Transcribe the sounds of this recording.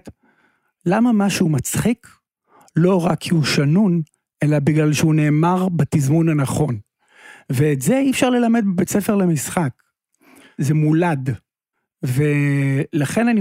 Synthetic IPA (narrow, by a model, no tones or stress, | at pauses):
t | lamamaʃuːmat͡sχik | lo̞ʁakʰːiuʃanun | ʔe̞labiɡlalʃeune̞ːmaʁbat̪izmunhanaχo̞n | veːtzeiːfʃaʁle̞lame̞d̚bbet͡sefe̞ʁlemisχak | zemulad | velaχe̞nani